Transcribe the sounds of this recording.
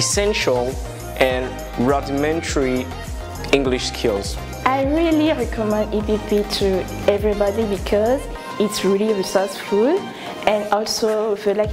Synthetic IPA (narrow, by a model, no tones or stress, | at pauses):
ɛsɛ̃nʃəlˠ | ʔɛ̃n | ɹadimɛ̃ntʰəɹi | ɪ̃ŋɡliʃskʰɪlˠz̥ | ʔaɪɹiliɹɛkʰɔmɛ̃nditiktitʰu | ɛvɹibɔdibikʰɔz | itsɹiliɹisɔsfud | ʔɛ̃nɔlsofilak